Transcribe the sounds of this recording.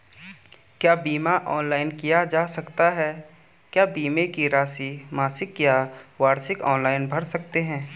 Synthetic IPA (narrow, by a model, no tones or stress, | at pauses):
kjaːbiːmaʔɔːnlaːɪnkijad͡ʒaːsɐkt̪aɦɛː | kjaːbiːmekiɾaːsimaːsɪkjaːwaːɾsɪkɔːnlaːɪnbʱɐɾsɐk̚t̪eɦɛ̃ː